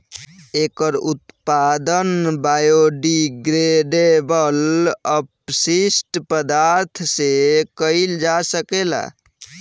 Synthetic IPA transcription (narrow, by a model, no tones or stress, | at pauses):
ekəɾut̪pad̪ənbajoɖiɡɾeɖebələpsisʈpəd̪aɾt̪ʰsekəɪld͡ʒasəkela̰